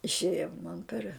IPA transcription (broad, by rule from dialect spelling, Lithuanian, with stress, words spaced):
ɪʃʲˈeːjoː mɐn pʲɛr